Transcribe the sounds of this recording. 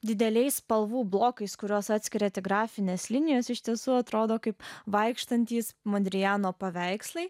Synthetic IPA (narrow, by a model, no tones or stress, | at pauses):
d̪ʲɪd̪ʲɛlʲɛɪspɐlˠʋuːblˠoːkɐɪskʊɾʲoːsɑːt̪sʲkʲɪɾʲɛt̪ʲɪɡɾɑːfʲɪnʲeːslʲɪnʲɪjoːsɪʃʲt̪ʲiɛsuːɐt̪ɾoːd̪oːkɐɪpʋɐɪkʃt̪ɐnʲt̪ʲiːsmod̪ʲɾʲɪjæːnoːpɐʋʲɛɪkslˠɐɪ